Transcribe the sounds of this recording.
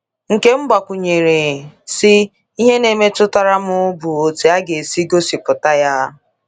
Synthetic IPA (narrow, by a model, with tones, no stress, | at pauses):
ŋ̩˨ke˦ŋ͡m̩˦ɡ͡ba˨kʷu˨ɲe˨ɾe˨sɪ˦ | i˦ɦe˦ne˨˦me˦tʊ˦ta˦ɾa˦mʊ˦bu˨o˨te˨˦a˦ɡe˨si˦ɡo˦si˨pʊ˨ta˦ja˦